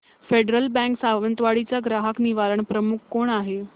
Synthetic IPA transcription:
feɖɾəlbɛ̃ŋksaʋənt̪ʋaɭit͡ɕaɡɾaɦəkniʋaɾəɳpɾəmukʰkoɳaɦe

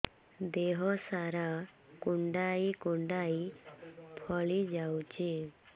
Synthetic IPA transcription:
d̪eɦɔsaɾa | kuɳɖaikuɳɖaj | pʰɔɭid͡ʒawt͡ʃi

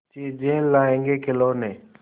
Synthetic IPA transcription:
t͡ʃiːd͡ʒeːlːaːẽŋɡeːkʰɪloːneː

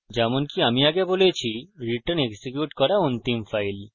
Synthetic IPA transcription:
d͡ʑɛmonkiamiaɡebolet͡ɕʰiɾiʈəneɡsekjuʈkɔɾaont̪imfajl

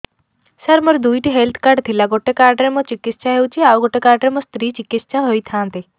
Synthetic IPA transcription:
səɾmɔɾd̪ujʈiɦelt̪ʰkaɾɖt̪ʰilaɡoʈekaɾɖɾemɔ̃t͡ʃikɪt̪sʃaɦewt͡ʃʰiauɡoʈekaɾɖɾemɔ̃st̪ɾiːt͡ʃikiʃãɦojt̪ʰãːnt̪i

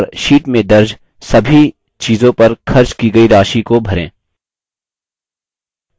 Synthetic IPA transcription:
ɾʃiːʈmẽd̪ɐɾd͡ʒ | sɐbʱi | t͡ʃiːzõpɐɾkʰɐɾt͡ʃkiɡɐiɾaːʃikobʱɐɾḛ̃ː

